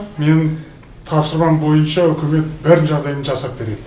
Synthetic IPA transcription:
me̞n | t̪ʰɑpsəɾmɑmbo̞jənʃɑɵkʲɪme̞t̪̚bɪɾnʒɑʁd̪ɑjənʒɑsɑp̚be̞ɾe̞d̪ɪ

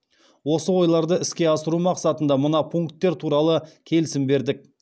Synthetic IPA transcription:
wo̞səwo̞jlˠɑɾd̪əɪskʲe̞ɑsəɾumɑqsɑt̪ənd̪ɑmənɑpʰuŋkt̪ːe̞ɾt̪ʰuɾɑlˠəkʲʰe̞lɪsɪmbe̞ɾd̪ɪk̚

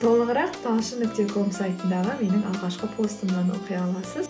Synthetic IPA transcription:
t̪ʰo̞lˠəʁəɾɑq̚t̪ʰɑlˠʃəmʏk̚t̪ːe̞kʰo̞msajt̪ənd̪ɑʁəme̞nɪŋɑlˠʁɑʃqəpʰo̞st̪əmnɑnoqʰijɑlˠɑsəz

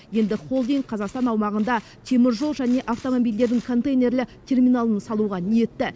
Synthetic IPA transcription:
je̞nd̪ɪχo̞lˠd̪iŋ̚qʰɑzɑqst̪ɑnɑwmɑʁənd̪ɑ | t̪ʰe̞mɪɾʒo̞lˠʒæne̞ʔaft̪o̞mobijld̪e̞ɾd̪ɪŋkʰo̞nt̪ejne̞rlɪkt̪ʲʰe̞rmijnalˠənsɑlˠuʁɑnije̞t̪ːɪ

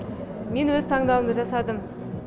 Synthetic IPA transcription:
me̞nwɵzt̪ʰɑɴd̪ɑwəmd̪əʒɑsɑd̪əm

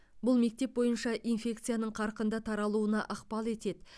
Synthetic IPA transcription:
bʊlˠme̞k̚t̪e̞p̚bo̞jənʃɑʔijnfʲe̞k̚t̪sɨjanəɴqʰɑɾqənd̪ɑt̪ʰɑɾɑlˠuənɑʔɑqpɑlˠe̞t̪e̞d̪ɪ

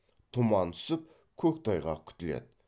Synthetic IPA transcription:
t̪ʰʊmɑnt̪ʰʏ̥sɪp̚ | kʲʰɵk̚ʲt̪ʰɑjʁɑ̰kʲʰʏ̥t̪ɪlḛd̪ɪ̥

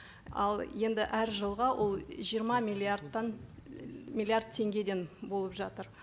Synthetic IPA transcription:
ɑ̰lˠje̞nd̪ɪʔæɾʒəlˠʁɑwʔo̞lˠʒijəɾmɑmilʲiard̪ɑn | mʲilʲˠiard̪̚t̪ʰe̞ŋɡʲe̞d̪e̞nbo̞lˠəpʒɑt̪əɾ

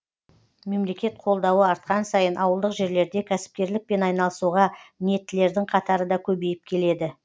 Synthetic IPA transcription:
me̞mle̞kʲe̞t̪̚qʰo̞lˠd̪ɑwəɑɾt̪̚qɑnsɑjənʔɑwəlˠd̪əqʒe̞ɾle̞ɾd̪e̞kʲʰæsɪ̥p̚kʲe̞ɾlɪk̚pe̞nɑjnɑlˠəsuʁɑmɪne̞t̪ːɪle̞ɾd̪ɪŋqʰɑt̪ɑɾəd̪ɑkʲʰɵbe̞jɪp̚kʲʰe̞le̞d̪ɪ

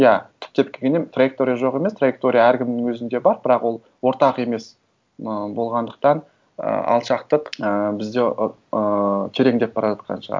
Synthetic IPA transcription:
jæt̪ʰɪ̥p̚t̪e̞p̚kʲʰeɡʲe̞nemt̪rajek̚t̪o̞ɾʲijaʒo̞qe̞mest̪rajek̚t̪o̞ɾʲijaæɾkʲʰɪmnɪŋwɵzɪnd̪e̞bɑɾbɪɾɑqwo̞lˠ | wo̞ɾt̪ɑqe̞me̞s | əbo̞lˠʁɑnd̪əq̚t̪ɑn | ə̰ɑ̰lˠʃɑqt̪əqəbɪzd̪e̞ | ət̪ʰe̞ɾe̞ŋd̪e̞p̚bɑɾɑʒɑt̪̚qʰɑ̰nʃəʁɑ̰ɾ

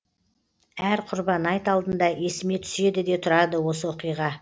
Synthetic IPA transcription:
æɾqʰʊɾbɑnɑjt̪ɑlˠd̪ənd̪ɑe̞sɪme̞t̪ʰʏ̥se̞d̪ɪd̪e̞t̪ʰʊɾɑd̪əwo̞səwo̞qijʁɑ

